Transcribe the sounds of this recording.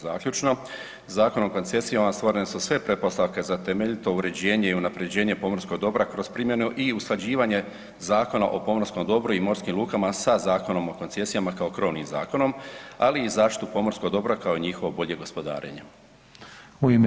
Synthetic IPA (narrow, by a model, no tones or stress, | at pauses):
a̰ːkʎut͡ʃno̞ | zaːko̞nomko̞nt̪se̞sijonast̪ʋo̞ɾenesusʋe̞pɾepo̞st̪aʋke̞zat̪e̞meʎit̪o̞uɾe̞d͡ʑe̞ːɲe̞iunapɾe̞d͡ʑe̞ːɲe̞po̞moɾsko̞ɡd̪o̞bɾakɾo̞spɾimje̞nuʔiusklˠad͡ʑiːʋaɲe̞ | zaːko̞na̰ʔo̞po̞moɾsko̞md̪o̞bɾuimo̞ɾskimlˠuːkamasazaːko̞no̞moko̞nt̪se̞sijamakao̞krɾo̞ʋnimza̰ːko̞no̞ma̰liːzaːʃt̪it̪upo̞moɾskoɡd̪o̞bɾakao̞iɲixo̞ʋobo̞ʎe̞ɡo̞spo̞d̪a̰ːɾḛɲe | uime